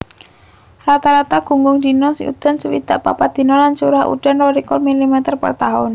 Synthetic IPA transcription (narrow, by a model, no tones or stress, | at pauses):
rat̪aɾat̪aɡ̥ṳŋɡʊŋd̪inɔsɪṵd̪̥a̤nsəwḭd̪̥a̤ʔpa̰pad̪̥i̤nɔlansuɾahṵɖ̥a̤nrɔɾikɔlmilimɛt̪ərpə̰rt̪aɦɔn